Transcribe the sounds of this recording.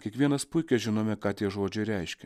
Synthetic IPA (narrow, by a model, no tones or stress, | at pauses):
kʲiɛkʋʲiɛnɐspʊɪkʲɛʒʲɪnoːmʲɛkɑːt̪ʲiɛʒoːd͡ʒʲɛɪɾʲɛɪʃʲkʲɛ